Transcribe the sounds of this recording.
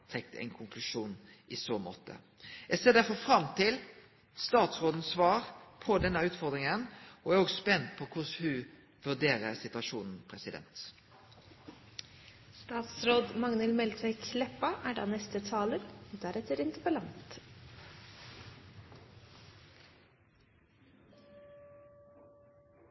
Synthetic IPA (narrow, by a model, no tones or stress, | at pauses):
t̪ʰʁɛk̚t̪əɛ̰ɪnkʰʊŋkʰlʉʃuːn | ʔɪːsoːmo̰ːt̪ə̰ | ɛseːʁd̪æfɔfʁɑmt̪ʰɪl | st̪ɑːt̪sʁoːd̪n̩sʋɑːʁpʰɔd̪ɛnːəʉːt̪fɔʁd̪ʁɪŋənʔɔæʁoːɡspɛnt̪pʰɔkʰʊshʉ | ʋʉd̪eːɾəsɪt̪ʉɑʂuːnn̩pʰɾɛsɪd̪ɛ̰nt̪ | st̪ɑːt̪sɾoːd̪mɑŋnəlmɛlt̪ʰʋɛɪklɛpːɑʔæɖɑ̰ːnɛst̪ət̪ʰɑːləɾd̪æɾɛt̪ːəɾɪnt̪əpəlɑnt̪